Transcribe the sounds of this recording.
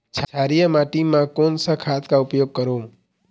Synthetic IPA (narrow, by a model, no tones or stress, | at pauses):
t͡ʃʰaɾijəmaʈimãkonsakʰat̪kaʊpjoɡ̚kəɾõ